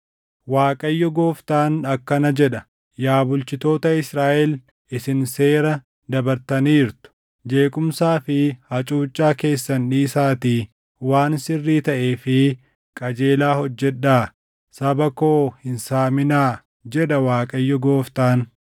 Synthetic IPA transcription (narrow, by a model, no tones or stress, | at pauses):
waːkʼɐjːɔɡo̞ːft̪aːnɐkːɐnɐd͡ʒɛᶑɐ | jaːbʊlt͡ʃɪt̪o̞ːt̪ɐɪsɾaːʔɛl | ɪsɪnse̞ːɾɐ | d̪ɐbɐɾt̪ɐniːɾt̪ʊ̥ | d͡ʒe̞ːkʼʊmsaːfɪhɐt͡ʃʼuːt͡ʃʼːaːke̞ːsːɐnᶑiːsaːt̪iː | waːnsɪrːiːt̪ɐʔe̞ːfɪ | kʼɐd͡ʒe̞ːlaːhɔd͡ʒːɛᶑːaː | sɐbɐkoːhɪnsaːmɪnaː | d͡ʒɛᶑɐwaːkʼɐjːɔɡo̞ːft̪aːn